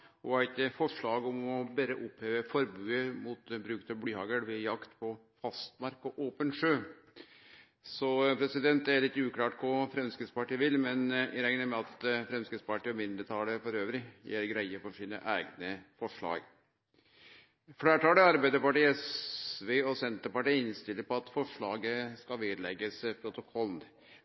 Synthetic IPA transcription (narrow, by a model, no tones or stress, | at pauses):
ɔæɪt̪əfɔʂɭɑːɡɔmɔbæːɾəʔʊpheːʋəfɔɾbʉːəmuːt̪bɾʉːkt̪əblyːhɑːɡəɽʋɛjɑkt̪pʰɔ | fɑst̪mɑɾkɔʔoːpənʂøː | sɔpʰɾɛsɪd̪ɛnt̪æɭɪt̪ːʉːklɑːʈkʰʊfɾɛmskəspɑʈiːʋɪlːmɛnɪɾɛŋnəmɛɑt̪fɾɛmskəspɑʈiːɔmɪnd̪ɾət̪ʰɑːləfɔɾøːʋɾɪjḛːɾɡɾæɪəfɔʂiːnə̰ʔæːɡnəfɔʂɭɑ̰ːɡ | fɽæːʈɑːləɑɾbæɪd̪əpɑʈiːɛsʋeːɔsɛnt̪əɾpɑʈiːəɪnst̪ɪlːəɾpɔɑt̪fɔʂɭɑːɡəskɑʋeːd̪lɛ̰ɡːəspʰɾʊt̪ʊkʰɔln